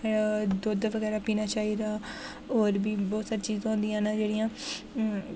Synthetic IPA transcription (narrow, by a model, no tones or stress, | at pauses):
d̪oːd̪ʋəɡɛːɾaːpiːnaːt͡ʃaːiːd̪aː | oːɾbiːbɔːt̪saːɾiːt͡ʃiːz̃ɦõːnd̪ijãːnaːd͡ʒeːɽijãː